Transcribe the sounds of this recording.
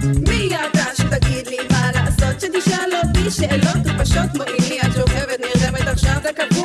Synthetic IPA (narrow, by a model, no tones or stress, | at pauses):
mijad̪aʃt̪aɡid̪limalaʔasot̪ʃɛt̪iʃalotiʃeʔelot̪paʃot̪moʔiliat̪oχɛvɛt̪niʁdɛmɛt̪aχʃavbekapu